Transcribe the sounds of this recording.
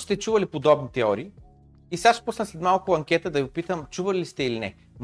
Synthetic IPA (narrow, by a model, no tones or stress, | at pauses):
st̪ɛt͡ʃuvɐlipod̪ɔbnit̪ɛɔɾiː | isaʃpusnəslɛt̪malˠkʊɐŋkʲɛt̪əd̪ɐɡopit̪əmt͡ʃuvɐlist̪ɛilinɛ | m